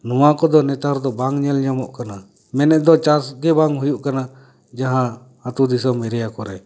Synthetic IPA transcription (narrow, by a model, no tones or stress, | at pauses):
nuwakɔd̪ɔnɛt̪aɾd̪ɔbaŋɲɛlɲamɔʔkana | mɛnɛʔd̪ɔt͡ʃasɡɛbaŋɦujuʔkana | d͡ʒaɦã | at̪ud̪isɔmɛɾɛjakɔɾɛ